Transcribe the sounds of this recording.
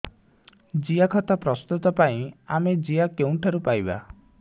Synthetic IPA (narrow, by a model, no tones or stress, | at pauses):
d͡ʒijakʰɔt̪apɾɔst̪ut̪ɔpaĩamed͡ʒiakeũʈʰaɾupajba̰